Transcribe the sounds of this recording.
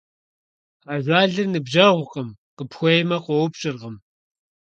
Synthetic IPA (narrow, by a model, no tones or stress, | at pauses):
aːʒʷaːɮɨrnɨbʒɐʁʷʊqʼəmqəpxʷɔjmɐqʷɔwʊpɕʼɪrʁəm